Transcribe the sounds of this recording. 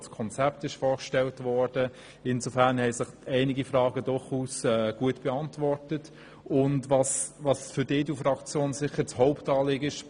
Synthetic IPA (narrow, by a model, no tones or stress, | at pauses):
skʰɔnt͡sɛp̚tɪʃfɔːɾkʃtɛltvɔːɾd̥ə | ɪnsofæɾnhɛɪsɪχɛɪnɪɡifrɑːɡədʊχuːsɛːɡ̥uətb̥ɛɑntvɔrtət | ʊndvɑsʋɑsfʏɾdɪːdufɾɑkt͡sjoːnsɪχəɾt͡shɔʊptɑːlɪːɡəɪʃ